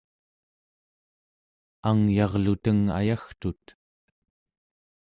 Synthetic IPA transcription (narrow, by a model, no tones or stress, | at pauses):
aŋjɑʁlut̪əŋa̰jaxt̪ut̪